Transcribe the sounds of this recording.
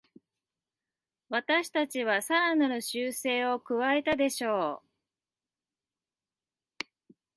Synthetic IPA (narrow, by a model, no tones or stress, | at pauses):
βat̪aɕi̥t̪at͡ɕiβasaɾanano̞ɕɨːse̞ːo̞kɯ̟βae̞t̪ad̪e̞ɕo̞ː